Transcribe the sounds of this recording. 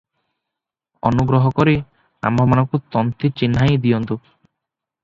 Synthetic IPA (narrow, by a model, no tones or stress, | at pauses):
ɔ̰nuɡɾɔɦɔkɔɾi | a̰mbʱɔmanɔkut̪ɔnt̪it͡ɕinːajd̪ijɔnt̪u